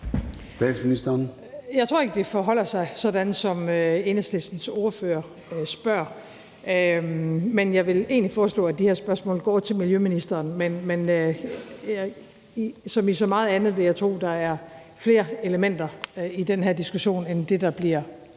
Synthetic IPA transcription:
sd̥ɛ̰ːd̥sminisd̥ɐn | jɑɪt͡sʰʁo̝ɐeɡ̥əd̥e̝fɒɦɒ̽l̰ɐsɑ̈ɪsɒ̽d̥ænsɒ̽møe̝nəsd̥esn̩so̝ːɐføːɐ | sb̥ɶɐ̰ | ø | menjɑ̈ɪʋe̝le̝̰ːnlifɒːslɔ̰ːæd̥iheɐ̰sb̥ɶɐsmɔ̰̽ːlɡ̥ɒ̰ːt͡sʰe̝lmiljøminisd̥ɐːnmenmen | sɒ̽misɒ̽mɑ̈ːð̞̩ˠænð̞̩ˠʋe̝jɑ̈ɪt͡sʰʁo̝̰ːd̥ɑ̈æɐ | fle̝ːɐe̝ləmen̰d̥ɐid̥enɦæɐ̰d̥isɡ̥uɕo̝̰ːnend̥e̝d̥ɑ̈b̥liɐ̰

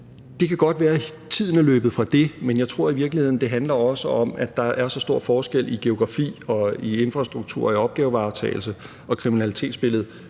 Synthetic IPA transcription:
d̥e̝kʰæɡ̥ɒ̽d̥ʋæːɐ | t͡sʰið̞̰ˠənəløːb̥ð̩ˠfʁɑ̈d̥e̝menjɑ̈ɪt͡sʰʁo̝ɐ̰iʋiɐɡ̥lihe̝ð̰ˠn̩d̥e̝ɦænlɐɒ̽səɒ̽mæ̥ɑ̈æɐsɒ̽sd̥o̝ɐ̰fɒːsɡ̥el̰ʔiɡ̥e̝o̝ɡ̥ʁɑ̈fḭːɒ̽ie̝nfʁɑ̈sd̥ʁuɡ̥̚t͡sʰṵɐ̰iɒ̽b̥̚ɡ̥ɛːʊʋɑ̈ʊt͡sʰɛ̰ːɪl̩sə | ɒ̽kʰʁiminælit͡sʰe̝̰ːd̥sb̥e̝l̰ð̩ˠ

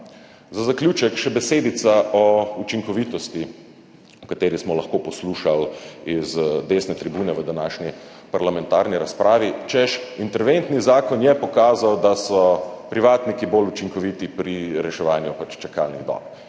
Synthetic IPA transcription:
zazaklʲjuːt͡ʃɛkʃɛbɛseːd̪it̪saɔut͡ʃiŋkɔʋit̪ɔst̪i | ɔkat̪eːɾismɔlaxkoːpɔsluːʃalizd̪eːsnɛt̪ɾibuːnɛʋəd̪anaːʃnʲi | paɾlamɛnt̪aːɾniɾaspɾaːʋit͡ʃɛʃint̪ɛɾʋent̪nizaːkɔnjɛpɔkaːzawd̪asɔpɾiʋaːt̪nikibolut͡ʃiŋkɔʋiːt̪ipɾiɾɛʃɛʋaːnjupat͡ʃt͡ʃɛkaːlniɣd̪ɔ̰k

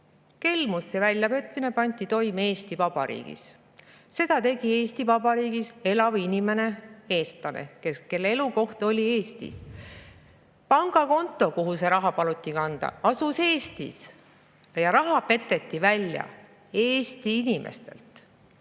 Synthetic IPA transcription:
ke̞lmusːe̞vælʲjɑpe̞t̪ˑmine̞pɑnʲt̪it̪o̞jme̞ːst̪ivɑb̥ɑɾḭːɡ̥ḭs | se̞d̪̥ɑt̪e̞ɡ̥ie̞ːst̪ivɑb̥ɑɾiːɡise̞lɑvinime̞ne̞e̞ːst̪lɑnḛkeke̞lːee̞luko̞ht̪o̞lʲie̞ːst̪ḭs | pɑŋɡ̥ɑko̞nt̪ːˑo̞koɦuse̞ɾɑɦɑpɑlut̪ʲːikɑnd̪̥ɑ̰ɑsuse̞ːst̪ḭs | jɑɾɑɦɑpe̞t̪ːe̞t̪ːivælʲjɑ̰ | e̞ːst̪iinʲimʔḛst̪e̞̰lt̪

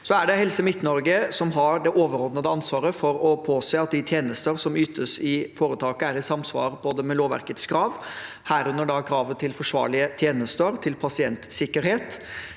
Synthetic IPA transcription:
sɔæɖɛhɛlsəmɪt̪ːnɔɾɡəsɔmɦɑɾɖ̪ɛʔoːʋəɾɔd̪nəd̪əɑnsʋɑːɾəfɔɾɔpʰoːseːɑt̪̚d̪ɪt̪ʰjeːnəst̪əɾsɔmyːt̪ʰəsɪfoːɾət̪ʰɑːkəæɾɪsɑmsʋɑ̰ːɾpʰɔd̪ɛmɛloːʋæ̰ɾkət̪skɾɑːʋ | hæːɾʉnːəɖɑkʰɾɑːʋət̪ʰɪlfɔʂʋɑ̰ːɭɪət̪ʰjeːnəst̪əɾt̪ʰɪlpʰɑsɪɛnt̪sɪkːəɾheːt̪

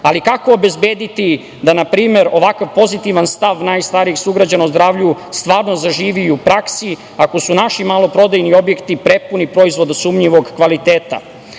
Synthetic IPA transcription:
alikakoːbezbeːd̪it̪i | d̪anapɾiːme̞ɾo̞ʋakaʋpo̞zit̪iʋanst̪aʋnaːjst̪aːɾiexsuɡɾad͡ʑanauzd̪ɾaːʋʎust̪ʋaːɾnozaʒiːʋiupɾaksi | ako̞sunaʃimalo̞pɾo̞d̪ajnio̞bje̞kt̪ipɾe̞punipɾo̞izvʋo̞d̪suːmɲiʋo̞ɡkʋalit̪eːt̪a̰

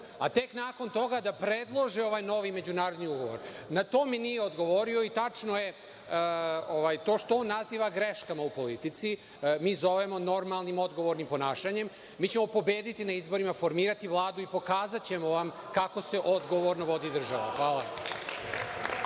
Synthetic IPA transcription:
at̪e̞knaːko̞nt̪o̞ɡad̪apɾed̪lˠo̞ʒio̞ʋaːjno̞ʋime̞d͡ʑunaːɾod̪niuɡo̞ʋoɾnat̪oːminijeo̞d̪ɡo̞ʋo̞ɾio̞it̪at͡ʂno̞je̞ | oʋajt̪o̞ːʃt̪oonːaziːʋaɡɾeʃkamaupo̞lit̪it̪si | miːzo̞ʋemo̞no̞ɾmalˠnimo̞d̪ɡoʋo̞ɾnimpo̞naːʃaɲe̞m | miːt͡ɕe̞mo̞po̞beːd̪it̪inaizbo̞ɾimafo̞ɾmiːɾat̪iʋlˠaːd̪uipo̞kaːzat͡ɕe̞mo̞ʋamkako̞se̞ʔo̞d̪ɡo̞ʋoɾnoʋo̞d̪id̪r̩ʒaʋa̰xʋaːla

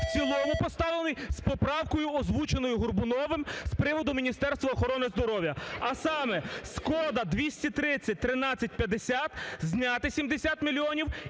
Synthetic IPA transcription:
wt͡ssʲilˠɔmʊpɔst̪ɑlˠenɪjspɔpɾɑwkɔjʊɔzʋut͡ʃenɔjʊɦʊrbʊnɔʋɪmspɾɪʋɔd̪ʊmʲinʲist̪ɛrst̪ʋɐɔxɔɾɔnɪzd̪ɔɾɔwʲjɐɐsɑmɛskɔd̪ɐd̪ʋʲisʲtʲit̪ɾɪt͡sʲːɐt̚ʲt̪ɾɪnɑt͡sʲːɐt̚ʲpʲjɐd̪esʲat̪zʲnʲɑt̪ɪsʲimd̪esʲat̪mʲilʲiɔnʲiw

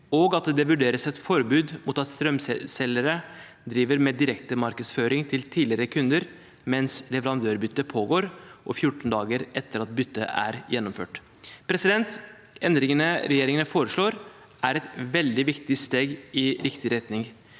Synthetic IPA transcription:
ɔɡɑt̪̚d̪ɛd̪ɛʋʉɖeːɾəsɛt̪fɔɾbʉːd̪muːt̪ɑt̪st̪ɾœmssɛləɾə | d̪ɾiːʋəɾmɛːd̪ɪɾɛkt̪əmɑɾkəsføːɾɪŋt̪ʰɪlt̪ʰiːlɪɾəkʰʉnd̪əɾ | mɛnslɛʋɛɾɑnd̪øːɾbʏt̪ːəpʰoːɡoːɾʔɔfjʊʈːn̩d̪ɑːɡəɾʔɛt̪ːəɾɑt̪̚bʏt̪ːəʔæ̰ɾjɛnːɔmfø̰ːʈ | pʰɾɛsɪd̪ɛnt̪ | ɛnd̪ɾɪŋənəɾɛjeːɾɪŋənəfoːɾəʂɭoːɾ | ʔæɾɛt̪ʋɛld̪ɪʋɪkt̪ɪst̪eːɡɪɾɪkt̪ɪɾɛt̪nɪŋ

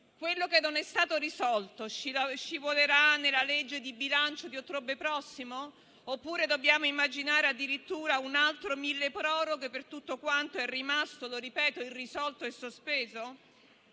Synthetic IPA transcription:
kwelːokenːonɛst̪aːt̪oɾisɔlt̪ot͡ʃit͡ʃivoleɾanːelːaled͡ʒːed̪ibilant͡ʃod̪iot̪ːɾobepɾɔsːimoː | pːuːɾed̪objaːmoimːad͡ʒinaːɾead̪ːiɾit̪ːuːɾaunalt̪ɾomilːepɾɔːɾoɡopːert̪ut̪ːokwant̪oɛrimast̪oloɾipɛːt̪oilrisɔlt̪oɛsːospeːzo

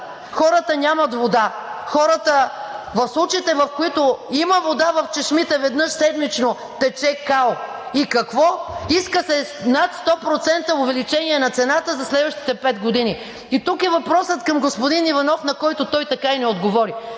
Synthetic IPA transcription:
xɔɾət̪ənʲamɐt̪vod̪a | xɔɾət̪əvɐfslˠut͡ʃiit̪ɛvɐfkoit̪oiməvod̪avɐft͡ʃɛʃmit̪ɛvɛd̪nɤʃsɛd̪mit͡ʃno | t̪ɛt͡ʃɛkalˠ | ikɐkvɔiskəsɛnat̪st̪ɔpɾot̪sɛnt̪əʊvɛlit͡ʃɛniɛnɐt̪sɛnat̪əzɐslɛd̪vəʃt̪i̥t̪ɛpɛd̪ɡod̪ini | it̪ukɛvɐpɾɔsət̪kɐmɡospod̪inivɐnɔfnɐkɔjt̪ʊt̪ɔjt̪ɐkainɛod̪ɡovɔɾi

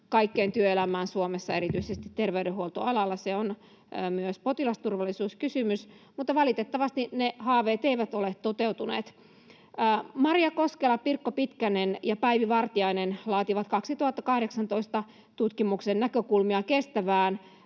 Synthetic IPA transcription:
kɑikːeːnt̪yøelæmæːnsuomesːɑe̞ɾit̪yisest̪it̪t̪erʋeyɾeɦuolt̪oɑlɑlːɑseon | myøspot̪ilɑst̪urʋɑlːˑisuːskysymysmut̪ːɑʋɑlit̪et̪ːɑʋɑst̪inehɑːʋeːt̪eiʋæt̪olet̪t̪ot̪eut̪unḛːt̪ː | mɑrjɑkoskelɑpirkːopit̪kænenjɑpæiʋiʋɑrt̪iɑinenlɑːt̪iʋɑt̪kɑksit̪uhɑt̪ːɑkɑhɾeksɑnt̪oist̪ɑ | t̪ut̪kimuksennækøkulmiɑkest̪æʋæːn

